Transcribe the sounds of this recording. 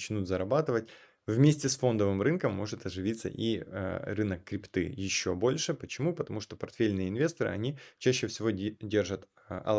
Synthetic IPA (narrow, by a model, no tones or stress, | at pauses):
t͡ɕnut̪zɐɾɐbat̪ɨvətʲ | vmʲesʲtʲɪsfo̞nd̪əvɨmrɨnkəmːo̞ʐɨt̪ɐʐɨvʲit̪sːə̰ʔirɨnəkːɾʲɪpt̪ɨ̰jɪɕːobo̞lʲʂɨpət͡ɕɪmupət̪ɐmuʂt̪opɐrt̪fʲelʲnɨjəɪnvʲe̞st̪əɾɨ̰ɐnʲit͡ɕæɕːɪfsʲɪvo̞dʲe̞rʐət̪ | ɐ̰